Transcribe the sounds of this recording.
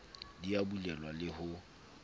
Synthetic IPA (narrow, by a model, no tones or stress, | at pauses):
diabulɛlwalɪhʊ